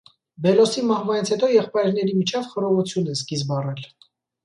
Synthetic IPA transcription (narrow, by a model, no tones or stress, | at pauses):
bɛlɔsimɑhvɑnit͡sʰhɛt̪ɔjɛχpɑjɾnɛɾimit͡ʃʰɛvχəɾɔvut͡sʰjunɛskizbɑrɛl